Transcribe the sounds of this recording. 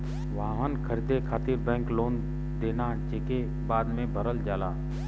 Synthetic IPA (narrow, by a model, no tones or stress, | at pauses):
ʋaːɦənkʰəɾid̪ekʰaːt̪iɾbɛ̃ːŋkloːn | d̪eːna | t͡ʃeːke | baːd̪mẽbʱəɾəld͡ʒaːlaː